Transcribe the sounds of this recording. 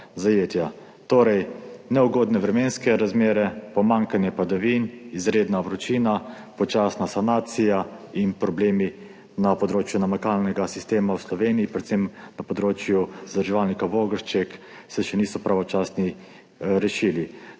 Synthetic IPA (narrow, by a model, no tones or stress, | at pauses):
zajeːt̪ja | t̪oːɾɛjnɛuɡoːd̪nɛʋɾɛmeːnskɛɾazmeːɾɛpɔmaŋkanjɛpad̪aʋinizɾeːd̪naʋɾɔt͡ʃiːna | pɔt͡ʃaːsnasanaːt̪sijainpɾɔbleːmi | napɔd̪ɾoːt͡ʃjunamakaːlnɛɡasist̪eːmawslɔʋeːniipɾɛt̪sɛmnapɔd̪ɾoːt͡ʃjuzad̪əɾʒɛʋalnikaʋoɡəɾʃt͡ʃɛk | sɛʃɛnisɔpɾaʋɔt͡ʃaːsni | ɾɛʃiːli